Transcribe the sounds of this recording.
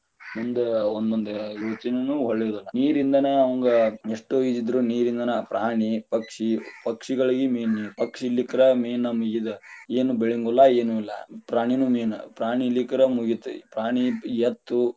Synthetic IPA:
mund̪uond̪ond̪uiʋɐt̪inɐnuːɦoɭːed̪ɐlːɐniːɾind̪ɐneɐʋɐŋɡɐeʂʈuid̪id̪ɾuniːɾind̪ɐnɐpɾʔaːɳipɐkʂipɐkʂiɡɐɭiɡimeːnipɐkʂilːikɐɾɐmeːnːɐmuɡid̪eeːnubeɭiŋɡulːɐeːnuilːɐ̰pɾaːɳinuːmeːnɐ̰pɾaːɳilːikɐɾɐmuɡit̪ːupɾaːɳijɐt̪ːu

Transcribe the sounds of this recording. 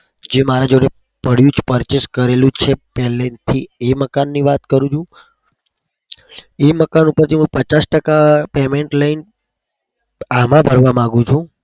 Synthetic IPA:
d͡ʒemaɾad͡ʒoɾe | pəɽ̤jũd͡ʒpəɾt͡ʃeskəɾelũt͡ʃʰepɛɦlet̪ʰieməkanːiʋat̪kəɾũt͡ʃʰũ | eməkanupəɾt̪iɦũpət͡ʃasʈəkapemeɳʈlain | amãbʱəɾʋamãɡũt͡ʃʰũ

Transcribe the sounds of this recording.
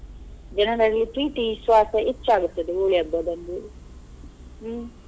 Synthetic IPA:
d͡ʒɐnɐɾɐlːit̪ɾiːʈisʋaːt̪ɐʔit͡ʃːaːɡut̪ːɐd̪eoːɭijɐbːɐd̪ɐnd̪u

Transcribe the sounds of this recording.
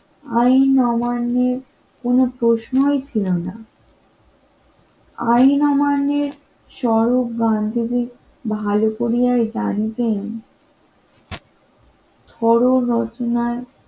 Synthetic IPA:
ajnɔmanːeɾ | konopɾoʃnoet͡ɕʰilona | ajnɔmanːeɾ | ʃɔɾopɡand̪ʱid̪i | bʱalokoɾijajd͡ʑanit̪en | t̪ʰɔɾoɾɔt͡ɕonae

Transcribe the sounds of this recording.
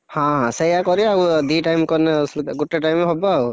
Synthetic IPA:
hãɦãsejakɔɾiaud̪iʈajmkɔneslɡuʈeʈajmeɦɔbɔau

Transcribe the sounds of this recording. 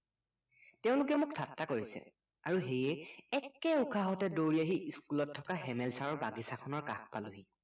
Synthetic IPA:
teʊ̃lʊk̬ɛmuk̚tʰatːakoɹisɛ̰ | aɹuɦejɛɛkːɛukʰaɦɔtɛdoɹiaɦiʔiskulɔtʰːɔkaɦɛmɛlsaɹɔɹbaɡisakʰɔnɔɹka̰kpalʊɦi

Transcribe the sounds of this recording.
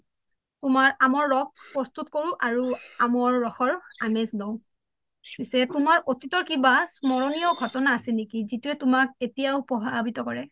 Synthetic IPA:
tʊmaɹamɔɹːɔk̚pɹɔst̪utkoɹũʔaɹuamɔɹːɔxɔɹamezlɔʊ̃ | pisɛtʊmaɹʔotitɔɹkibasmɔɹɔnijɔɡʱɔtɔnaːsɛnekizituɛtʊmak̚etijaʊpɹɔɦabʱitɔkɔɹɛ

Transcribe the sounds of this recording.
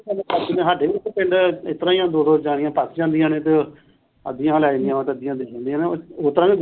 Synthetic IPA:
əd͡ʒnẽːɦaɖeːʋit̪ːepɪ̃ɳɖɪt̪ːəɾãːijãːd̪oːd̪oːd͡ʒaːɽɪjãːpəsd͡ʒãːnd̪ɪjãːnẽːt̪e | ə̰d̪ijãːlɛ̃ːnd̪ijãːt̪eəd̪ɪjãːd̪ed͡ʒãːnd̪ijãːneːooːt̪əɾãːʋẽːɡ

